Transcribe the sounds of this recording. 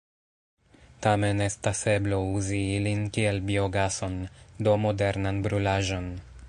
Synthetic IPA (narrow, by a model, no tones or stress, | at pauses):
tame̞nestase̞blo̞uziilinkie̞lbio̞ɡaso̞ndo̞mo̞de̞ɾnanbɾulaʒo̞n